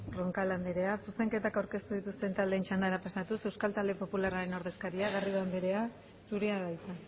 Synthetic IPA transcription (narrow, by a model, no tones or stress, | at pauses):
ro̞ŋkaland̪eɾe̞asuse̞ŋke̞t̪akawɾke̞st̪uðit̪ust̪e̞nt̪ald̪eːnt͡ʃand̪aɾapasat̪use̞wskalt̪ald̪e̞po̞pulaɾaɾe̞no̞ɾðe̞skaɾiaɣarioand̪eɾe̞a | suɾeaβajt̪a